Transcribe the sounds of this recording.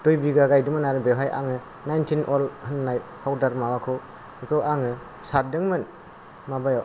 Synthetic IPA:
d̥ojbiɡaɡajdɯmɯnaɾɯbeɦajʔa̰ŋɯ | najntʰinʔɔlhɯnːajhawdaɾmawakʰɯw | ikʰɯwaŋɯ | saɾdɯŋmɯn | mabajaw

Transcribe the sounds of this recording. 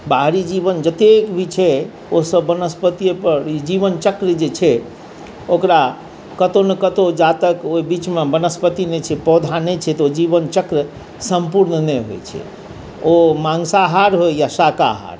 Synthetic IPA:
baɦɾid͡ʒibənd͡ʒət̪ekbʱit͡ʃʰɛ | osəbːənəspət̪iepəɾid͡ʒibənt͡ʃəkɾd͡ʒet͡ʃʰɛ | okɾa | kət̪onekət̪od͡ʒat̪əkoibit͡ʃmebənəspət̪inet͡ʃʰɛpɔd̪ʱanet͡ʃʰɛt̪od͡ʒibənt͡ʃəkɾə | səmpuɾnneɦojt͡ʃʰɛ̰ | omãŋsaɦaɾɦojjasaka̰ɦa̰ɾ

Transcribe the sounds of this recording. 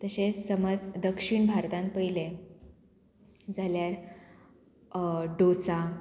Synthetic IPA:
t̪əɕẽsəməd͡zd̪əkʂiɳbʱaɾt̪ãnpəjle | d͡zʱaljaɾ | ɖosa

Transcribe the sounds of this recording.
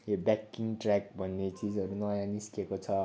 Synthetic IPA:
jobakːiŋɡʈrakbʱʌnːet͡sid͡zʌɾunʌjãniskekot͡sʰʌ

